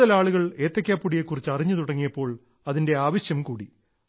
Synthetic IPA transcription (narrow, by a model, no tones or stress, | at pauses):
ɐlaːɭuɣɐɭe̞ːt̪ːɐkʲːaːpːuɽijekːurit͡ɕːɨɐriɲːɨt̪uɽɐŋːijɐpːo̞ːɭ | ɐðinde̞aːʋɐɕjɐmkuːɽi